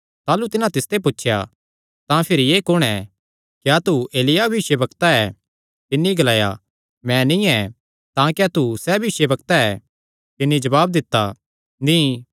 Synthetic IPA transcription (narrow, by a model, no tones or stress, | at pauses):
t̪aːlut̪ɪnãt̪ɪst̪ep̬ʊtːʃʰja̰ | t̪ãpʰɪɾijeːkʊɽ̃ɛ | kiat̪ueːlɪjabɐbɪʃebɐkt̪aɛ | t̪ɪnːiɡɐlaːja̰ | mɛ̃nĩɛ | t̪ãkat̪usɛbʱɪʃebɐkt̪aɛ | t̪ɪnːid͡ʒɐbaːbd̪ɪt̪ːa | nĩː